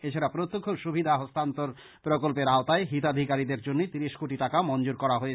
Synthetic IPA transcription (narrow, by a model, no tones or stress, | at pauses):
et͡ɕʰaɾapɾot̪ːokʰːoʃubʱid̪ʱaɦost̪ant̪oɾ | pɾokolpeɾaot̪aeɦit̪ad̪ʱikaɾid̪eɾd͡ʑonːet̪iɾiʃkoʈiʈakamɔnd͡ʑoɾkɔɾaɦoe